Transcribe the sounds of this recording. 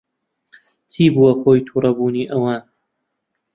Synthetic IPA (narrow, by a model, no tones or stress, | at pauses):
t̪ʰiːbuwɐkʰoːjt̪ʰuːɾɐbuːniːʔɐwaːn